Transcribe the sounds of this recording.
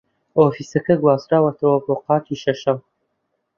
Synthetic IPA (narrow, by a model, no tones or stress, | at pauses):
oːfiːsɐkɐɡwaːzɾaːwɐt̪ʰɐwɐboːqɑːkiʃɐʃɐw